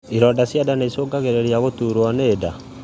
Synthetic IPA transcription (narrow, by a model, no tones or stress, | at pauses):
iɾɔdasjadaneisoːɡaɣeɾeɾiaɣotuɾwaneːda